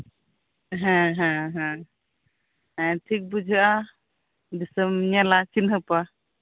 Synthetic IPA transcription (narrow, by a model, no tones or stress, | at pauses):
ɦɛ̃ɦɛ̃ɦɛ̃ | ɛʈʰik̚bud͡ʒʱaʔa | bisəmɲalat͡ʃinɦəpa